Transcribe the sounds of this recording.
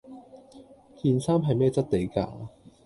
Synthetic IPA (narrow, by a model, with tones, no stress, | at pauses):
kiː˨˧nsaː˥mɦɐ˨˩jmɛː˥t͡sɐ˥t̚t̪e˨˥jka̰ː˧